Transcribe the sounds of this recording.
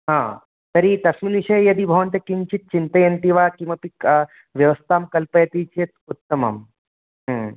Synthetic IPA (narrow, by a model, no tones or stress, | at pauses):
ɦãː | t̪ɐɾit̪ɐsminiʃɐjjɐd̪ibʱɐʋɐnt̪jɐkiɲt͡ʃit̪̚t͡ʃint̪ɐjɐnt̪iʋaːkimɐpik | ʋjɐʋɐst̪ʰaːmkɐlpɐjɐt̪iːt͡ʃet̪ut̪ːɐmɐ̰m | ɦ